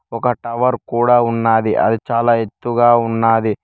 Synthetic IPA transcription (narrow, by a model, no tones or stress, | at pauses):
ɔkɐʈɐʋɐɾkuːɽaːunːaːd̪iʔɐ̰d̪it͡ʃaːlaːe̞t̪ːuɡaːunːaːd̪i